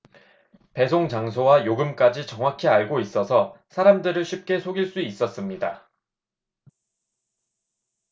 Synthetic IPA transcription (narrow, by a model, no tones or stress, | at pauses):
pe̞sʰoŋt͡ɕaŋsʰowajoɡɯmk͈ad͡ʑit͡ɕʌŋwakʰiaɭɡois͈ʌsʰʌsʰaɾamdɯɾɯɭɕʰip̚k͈e̞sʰoɡiɭs͈uis͈ʌs͈ɯmɲida